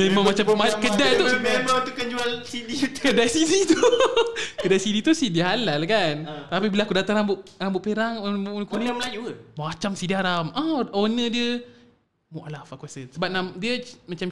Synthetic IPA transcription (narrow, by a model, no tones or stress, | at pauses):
mẽmãŋmat͡ʃammakədajt̪ubat̪ukəɲd͡ʒualsidikədajsidit̪u | kədajsidit̪usidiɦalalkant̪apibilaakudat̪aŋɾambʊʔambʊʔpeɾaŋonmnkulməlajuəmaat͡ʃamsidiaɾamɔʔonədiə | mɔʔlafakuasənsəbap̚namdiəmat͡ʃam